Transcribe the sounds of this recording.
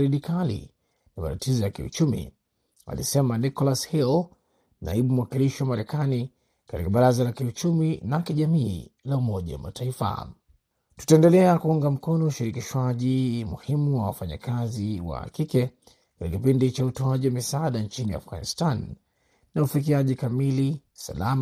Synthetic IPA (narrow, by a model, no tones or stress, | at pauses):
ɾiɗikalḭ | nama̰tatʰizɔjakiṵt͡ʃumḭ | a̰lḭsɛmanikɔlashɛl | na̰iɓum̩wakiliʃiwamaɾɛkani | katikaɓaɾazalakiut͡ʃuminakiʄamiːlaumɔʄa̰wa̰ma̰taifa̰ | tu̥taɛndɛlɛakuuŋɡam̩kɔnɔuʃiɾikiʃwaʄimuhimuwawafaɲa̰kaziwa̰kikɛ | katikakipindit͡ʃautɔaʄiwamisaaɗant͡ʃinia̰fɣa̰nḭstan | nːaufik̬iaʄikamilisa̰la̰m